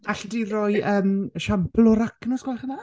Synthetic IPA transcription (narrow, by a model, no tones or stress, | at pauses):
aɬədirɔjəːmʃamplɔɾaknɔsɡɔlaχəna